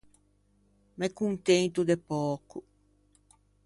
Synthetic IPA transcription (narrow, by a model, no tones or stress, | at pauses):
mɛkuŋt̪ẽnt̪ud̪epɔku